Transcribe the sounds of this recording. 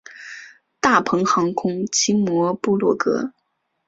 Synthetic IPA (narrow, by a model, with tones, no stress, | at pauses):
t̪a˥˩pʰɤ˧˥ŋxɑ˧˥ŋkʰʊ˥ŋt͡ɕʰi˥ŋmwɔ˧˥pu˥˧lwɔ˥˩kɤ̰˥